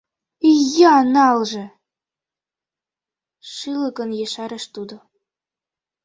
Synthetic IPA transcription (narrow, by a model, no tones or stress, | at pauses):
jɑnɑlˠʒĕ | ʃɯlˠɤ̆kɤ̆njeʃɑɾə̆ʃt̪ud̪ŏ